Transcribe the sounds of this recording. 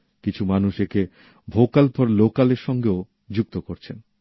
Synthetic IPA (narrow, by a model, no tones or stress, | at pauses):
kit͡ɕʰumanuʃeke | bʱokalpɔɾlokaleɾʃɔŋɡeo | d͡ʑuk̚t̪okoɾt͡ɕʰen